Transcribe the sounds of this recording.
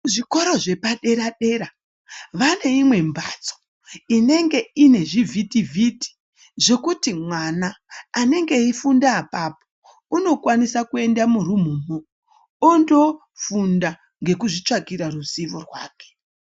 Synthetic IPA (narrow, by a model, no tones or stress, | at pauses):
ʐiko̞ɾo̞ʐe̞paɗe̞ɾaɗe̞ɾa | ʋane̞imwe̞mbat͡so̥ | ine̞ŋɡe̞ine̞ʐivʱitivʱiti̥ | ʐo̞kutimwanaːne̞ŋɡe̞ifundaːpapo | uno̞kwanisakue̞ndamurumuːmoː | ndo̞ | funda | ŋɡe̞kuʐit͡ʂakiɾaruziʋorwa̰ːke̥